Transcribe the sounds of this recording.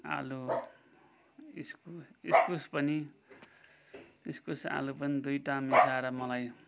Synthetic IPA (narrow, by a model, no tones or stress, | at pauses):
a̰lu | iskuiskuspʌni | iskusa̰lupʌnid̪ujʈamisaɾʌmʌlaj